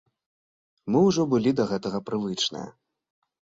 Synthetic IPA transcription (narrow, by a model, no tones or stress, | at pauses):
mɨwʐɔbɨlʲid̪ɐɣɛt̪ɐɣɐpɾɨvɨt͡ʂnɨ̰jɐ̰